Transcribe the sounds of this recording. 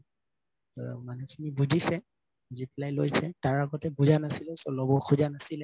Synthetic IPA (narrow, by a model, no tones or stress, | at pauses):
manɛkʰinibuzisɛ | buzipilajlojsɛtaɹaɡɔtɛbuzanasilɛsɔlɔbɔkʰuzanasilɛ